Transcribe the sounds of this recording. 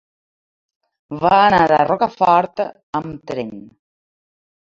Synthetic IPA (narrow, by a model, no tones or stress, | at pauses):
βaːnaɾa̰rɔkafɔɾt̪ | əmt̪ɾeɲ